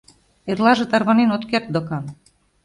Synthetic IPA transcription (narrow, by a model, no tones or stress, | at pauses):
erlɑʒĕt̪ɑrβɑnenot̪kert̪̚d̪okɑn